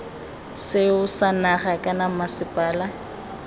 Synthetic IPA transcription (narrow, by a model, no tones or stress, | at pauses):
sɪʊsanaχakʼanamasɪpʼaːla